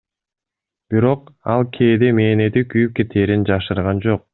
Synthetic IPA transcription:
b̥iɾo̞qɑlˠkʰeːd̪eme̞ːnet̪ikyjyp̚ke̞t̪ʰeːɾind͡ʒɑʃɯɾʁɑnd͡ʒo̞q̚

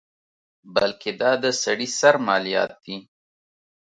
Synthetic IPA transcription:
balkʰed̪ɑd̪əsaɽisaɾmɑlijɑ̰ːt̪̚d̪i

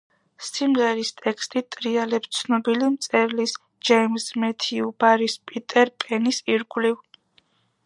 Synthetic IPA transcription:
simʁɛɾist̪ʼɛkʰst̪ʼit̪ʼɾialɛpt̪sʰnɔbilimt̪sʼɛɾlis | d͡ʒɛjmsmɛt̪ʰiubaɾispʼit̪ʼɛɾpʼɛnisiɾɡliv

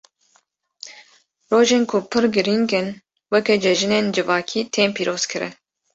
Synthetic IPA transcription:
roːʒeːnkʰʊpʰɨɾɡɨɾiŋɡɨn | wɛkɛd͡ʒɛʒɨneːnd͡ʒɨvɑːkʰiːt̪ʰeːmpʰiːɾʔoːz̥kʰɨɾɨ̰

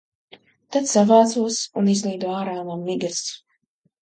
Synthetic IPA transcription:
t̪at̪savaːd̪zuɔsunizlˠiːd̪uɔaːɾaːnamːiɡas

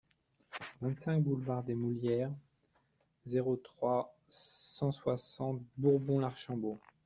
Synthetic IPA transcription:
vɛ̃t̪sɛ̃kbulvaʁd̪emuljɛʁ | zeʁot̪χwa | sɑ̃swasɑ̃t̪buʁbɔ̃laʁʃɑ̃bo

